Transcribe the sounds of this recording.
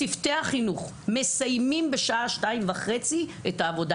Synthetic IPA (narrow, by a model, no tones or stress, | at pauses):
ifteaχinuχ | me̞sajmimbe̞ʃaʔaʃtaimvaχe̞t͡siʔetaːvo̞da